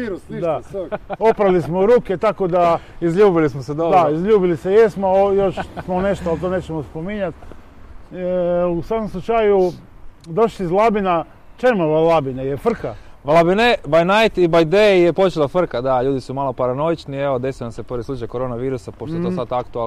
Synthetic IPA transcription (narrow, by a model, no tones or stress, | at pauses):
ɾsd̪ao̞pɾalismoɾuːket̪akod̪aizʎuːbilismosed̪od̪aizʎuːbilisejesmoojoʃsmone̞ʃt̪oalt̪onet͡ʃemospomiɲat̪ | usakomslˠut͡ʃaju | d̪o̞ʃiizlˠabina | t͡ʃemoʋalabinajefr̩kaʋlˠabinebajnajt̪ibajd̪ejepo̞t͡ʃelˠafr̩kad̪aʎuːd̪isumalˠo̞paɾano̞it͡ʃnieʋod̪e̞sijnaseprʋislut͡ʃajkoɾo̞naʋiːɾusapoʃt̪oet̪osat̪akt̪ua